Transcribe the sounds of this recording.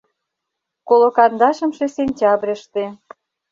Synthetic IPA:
kolokɑnd̪ɑʃə̆mʃesenʲtʲɑbɾʲiəʃt̪e

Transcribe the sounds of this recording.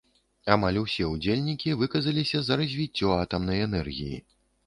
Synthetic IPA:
amalʲusʲɛud͡zʲelʲnʲikʲivɨkɐzɐlʲisʲɐzɐɾɐzʲvʲit͡sʲːɔat̪ɐmn̪ɐjɛnɛrɣʲḭjḭ

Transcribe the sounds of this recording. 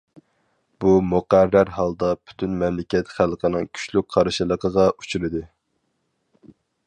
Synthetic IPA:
b̥umuqæɾːæɾɦɑlˠd̪ɑpʰy̥t̪ʰynmɛmlɪkʲɛt̪χælˠqʰənɨŋkʲʰy̥ʃlyk̚ʲqʰɑɾʃɨlˠəqʰəʁɑʔut͡ʃʰyɾɨd̪ɨ

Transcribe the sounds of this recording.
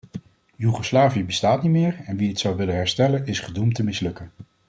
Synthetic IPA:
jyχoslaːviəbəstaːtnimɪːɹɛnʋiɦətsʌwʋɪlənɦɛɹstɛlənɪsχədumtəmɪslɵkən

